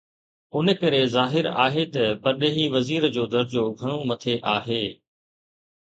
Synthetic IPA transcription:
ʊnə̆kɐɾezaːɦɪɾa̰ːɦet̪ɐpɐɾɗeːɦiʋɐziːɾd͡ʑoːd̪ɐɾd͡ʑoːɡʱɐɽ̃õmɐt̪ʰeʔaːɦeː

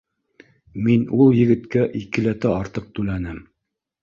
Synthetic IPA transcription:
minulˠjɘ̆ɡɘ̆t̪kæʔikɘ̆læt̪æɑɾt̪ɤq̚t̪ʉlænɘm

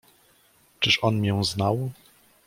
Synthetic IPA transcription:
t͡ʂɘʂɔnmʲjɔ̃w̃znaw

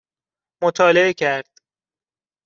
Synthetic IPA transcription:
mot̪ʰɒːleecʰæɾd̪̥

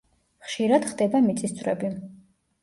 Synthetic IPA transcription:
χʃiɾad̪̥χd̪ɛbamit̪sʼisd̪sʰʼvɾɛ̰bi

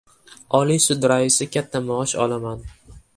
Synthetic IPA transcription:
ɒlisʊd̪ɾaɪsɪkʲʰat̪ʰːamaɒʃɒ̰laman

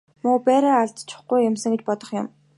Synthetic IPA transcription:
mʊːpæːɾaːaɮt̪t͡ɕʰʊ̥χɡujːʊmsə̆ŋɡet͡ɕpɔt̪ɞ̆χjʊ̆m

